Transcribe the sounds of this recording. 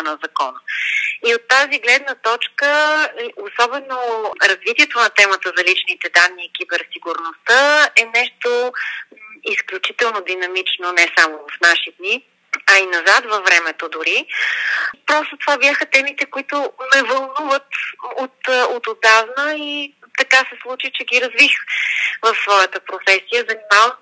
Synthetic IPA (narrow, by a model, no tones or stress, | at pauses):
nɐzɐkɔnəiot̪ːaziɡlɛd̪nət̪ɔt͡ʃkəosɔbɛnoɾɐzvit̪iɛt̪onɐt̪ɛmət̪əzɐlit͡ʃnit̪ɛd̪anːiːk̟ibɛɾsiɡuɾnost̪əɛnɛʃt̪o | isklʲut͡ʃit̪ɛlˠnod̪inɐmit͡ʃnonɛsamovɐfnaʃid̪ni | ɐinɐzat̪vɐfːɾɛmɛt̪od̪ʊɾi | pɾɔst̪ot̪ovabjaxət̪ɛmit̪ɛkoit̪ʊnɛvɐlˠnuvət̪ot̪ot̪od̪avnəi | t̪ɐkasɛslˠut͡ʃit͡ʃɛɡiɾɐzvixvɐfsvɔjət̪əpɾofɛsijəzɐnimavə